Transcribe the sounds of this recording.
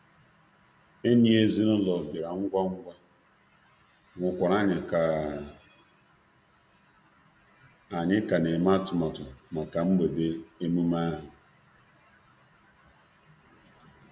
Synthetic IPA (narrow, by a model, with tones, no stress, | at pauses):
e˦ni˦e˦zi˦ɾʊ˦lɔ˨bɪ˨ɾa˨ŋ̩˦ɡʷa˦ŋ̩˦ɡʷa˦ | ŋʷʊ˨kʷa˨ɾa˦ɲɪ˨ka˨ | a˨ɲɪ˦ka˨ne˨ma˦tʊ˨ma˨tʊ˨ma˨ka˨m̩˦be˨be˦e˦mu˦ma˦ɦʊ˨